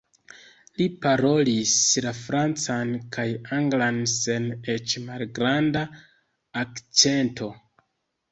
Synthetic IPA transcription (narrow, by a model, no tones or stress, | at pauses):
lipaɾo̞lislafɾant͡sankʰajaŋɡlanse̞net͡ʃmalɡɾandaː | kt͡se̞ntʰo̞